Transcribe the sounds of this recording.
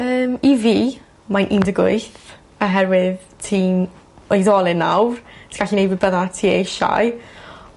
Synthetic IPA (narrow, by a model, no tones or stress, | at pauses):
əːmiviː | manʔindəɡʊ̰ɨθ | aɦɛrwɪð | tʰiːm | ojðɔlˠɪnːa̰wrtʰiɡ̥aɬinejbɪbəðatʰiːejʃa̰j